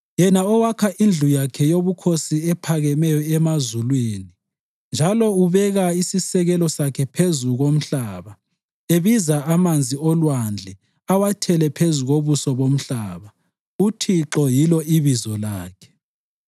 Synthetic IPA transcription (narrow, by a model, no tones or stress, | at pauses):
jɛnaɔwakʰaʔind͡ɮʱujakʰɛjoβukʰosiɛpʰaɣɛmɛjɔɛmazulweːni | nd͡ʒʱalɔuβɛɣaisisɛɣɛlɔsakʰɛpʰezuɣom̩ɬaβa | eβizaamand͡zʱiɔlwand͡ɮʱɛ | awatʰɛlɛpʰezuɣoβusɔβom̩ɬaːβa | utʰiǁɔjilɔiβizɔlaːkʰɛ̥